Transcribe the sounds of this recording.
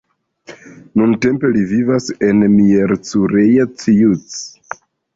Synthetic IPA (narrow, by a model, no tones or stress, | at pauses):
nunte̞mpe̞livivase̞nmieɾt͡suɾejat͡sijut͡s